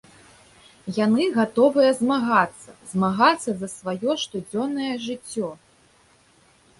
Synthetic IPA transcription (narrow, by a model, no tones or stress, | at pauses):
janɨɣat̪ɔvɨjɐzmaɣat̪sːɐzmaɣat̪sːɐzɐsvajɔʂt̪ud͡zʲɔnːɐjɐʐɨt͡sʲːɔ